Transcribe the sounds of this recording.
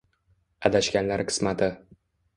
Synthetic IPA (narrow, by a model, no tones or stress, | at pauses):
ad̪aʃkʲanlaɾqʰɨ̥smat̪ʰɪ